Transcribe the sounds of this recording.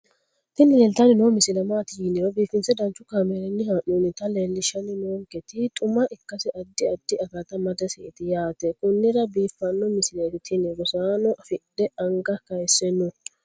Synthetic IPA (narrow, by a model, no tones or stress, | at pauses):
t̪ɪnɪleːlt̪ɐnɪnoːmɪsɪlɐmaːt̪ɪjɪnːɪɾɔbiːfːɪnt͡sɛd̪ɐnt͡ʃːʊkaːmɛɾɛnːɪhaːʔuːnɪt̪ɐleːlːɪʃɐnɪnoːŋkɛt̪ɪt̪ʼʊmɐʔɪkːɐsɪʔɐd̪ːɪɐd̪ːɪɐɡɐt̪ɐmɐd̪ɐsɛɪt̪ɪjaːt̪ɛkʊnːɪɾɐbiːfːɐnːɔmɪsɪleːt̪ɪt̪ʰɪnɪɾɔsaːnɔʔɐfɪɗɛɐŋɡɐkɐjsːɛnːʊ